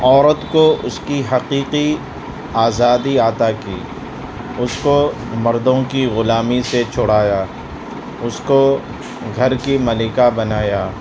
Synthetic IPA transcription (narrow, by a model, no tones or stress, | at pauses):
ɔːɾət̪koʔʊskiɦɐqiːqi | aːzaːd̪iaːt̪akiː | ʊsko | mɐɾd̪õkiɣʊlaːmiset͡ʃʰʊɽaːjaː | ʊsko | ɡʱɐɾkimɐlɪkabɐnaːjaː